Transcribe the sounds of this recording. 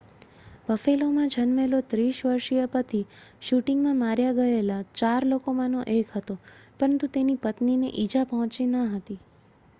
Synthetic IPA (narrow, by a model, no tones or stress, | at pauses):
ʋəfelomãd͡ʒʱənmelot̪ɾiʃʋəɾʃijəpət̪ʰiʃuʈiŋɡmãmaɾjaɡəelat͡ʃaɾlokomãnoʔekɦət̪opəɾənt̪ut̪enipət̪ninḛʔid͡ʒapəɦɔ̃t͡ʃinəɦət̪i